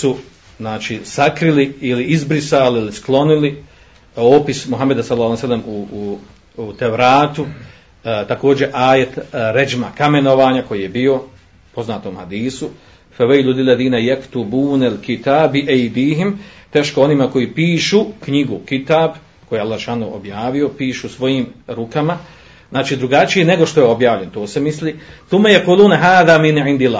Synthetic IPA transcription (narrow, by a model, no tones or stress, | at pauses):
su | znaːt͡ʃisakɾiliiliizbɾisaːlilisklˠo̞nili | oːpismuɦamːed̪asalːɑːsalːamu | t̪eʋɾaːt̪u | t̪ako̞ːd͡ʑe̞ʔaːjet̪ɾed͡ʒmakame̞no̞ʋaːɲako̞jiːje̞bio̞ | po̞znaːt̪oːmhad̪iːsu | fɛwejlulilːɛðiːnajakt̪ubuːnalkit̪aːbbiʔejd̪iːɦimt̪eːʃko̞onimako̞jiːpiːʃuːkɲiɡukit̪aːb | kojealːahʃaːnoːʔo̰bjaːʋio̞piːʃuːsʋo̞jiːmɾukama | znaːt͡ʃiːd̪ɾuɡat͡ʃijene̞ɡo̞ʃt̪o̞jeo̞bjaːʋʎe̞nt̪oːsemisliːθumːejaquːluːnɦaːðaːminʕind̪ilaː